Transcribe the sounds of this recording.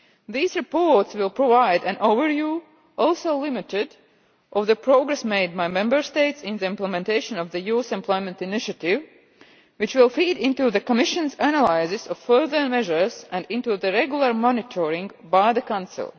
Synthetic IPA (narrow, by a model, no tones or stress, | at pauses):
ðiːzɹɪpɔɹtswɪlˠpɹɔvaɪdæ̃nʔoʊvəɹvjuː | ʔɔlˠsoʊlɪmɪtɪd | ʔɔvðəpɾoʊɡɾɛsmeɪd̚baɪmɛ̃mbə˞st̪eɪtsɪ̃nðəɪ̃mplɛmɛ̃nt̪eɪʃə̃nɔvðəjuːsɛ̃mpʰlˠɔjmɛ̃ntɪnɪʃətɪv | wɪt͡ʃwɪlˠfiːdɪ̃nt̪uðəkɔmɪʃə̃nzænalaɪzɪsɔffɜ˞ðə˞mɛʒə˞z̥æ̃ndɪ̃ntuðəɾɛɡjulˠəɹmɔnɪtʰɔɹɪ̃ŋɡbaɪðəkãnsɪ̰lˠ